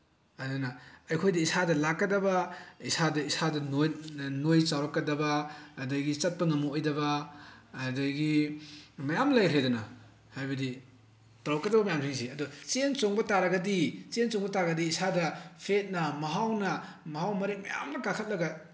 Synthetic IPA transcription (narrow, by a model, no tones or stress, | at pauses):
adɐnɐɐjkʰojdɐisadɐlakːɐdɐbɐisadɐisadɐnonojt͡ʃawɾɐkːɐdɐbɐːdɐjɡit͡ʃɐt̚pɐŋɐmuojdɐbɐː | dajɡi | mɐjamlajɾedɐnɐ̰ | hajbɐdi | tawkɐdɐbɐmɐjamtʰiŋsiɐdut͡ʃent͡ʃoŋbɐtaɾɐɡɐdit͡ʃensoŋbɐtaɡɐdiːsadɐpʰet̚nɐmɐɦawnɐ | mɐɦawmɐɾek̚mɐja̰mnɐkakʰɐt̚lɐɡɐ